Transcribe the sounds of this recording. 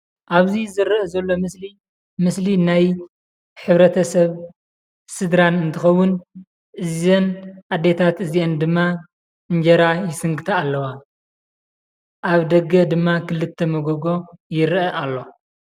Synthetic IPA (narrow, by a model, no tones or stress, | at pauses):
ʔaβzizɨɾʔɐzɐlːo̞mɨsli | mɨslinaj | ħɨβɾɐt̪ʰɐsɐβ | sɨd̪ɾanɨnt̪ʰɨxɐwːʊn | ʔɨzenʔad̪ːe̞t̪ʰat̪ɨziend̪ɨmːa | ɨɲd͡ʒɐɾajɪsɨŋɡɨt̪ʰɐːlːɐwa | ʔaβd̪ɐɡːɐd̪ɨmːakʰɨlːɨt̪ʰːɐmɐɡoɡo̞jɪɾʔɐʔalːo̞